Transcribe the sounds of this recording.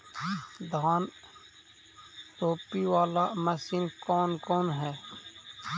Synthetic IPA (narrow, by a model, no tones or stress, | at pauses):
d̪ʱaːn | t̪oːpiwaːlaməsinkɔːnkɔːnɦɛː